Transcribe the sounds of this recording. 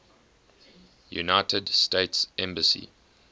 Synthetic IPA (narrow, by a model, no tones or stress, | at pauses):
jṵnaɪtʰədsteɪtsʔɛ̃mbəsḭ